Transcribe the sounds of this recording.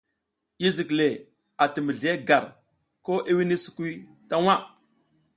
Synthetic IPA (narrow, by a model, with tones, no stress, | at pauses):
i˦zi˨kle˨ | a˨tə˨mə˨ɮe˦ɡa˨ɾ | ko˦ʔe˦wi˦ni˦su̥˨ki˦ | ta˦wa˦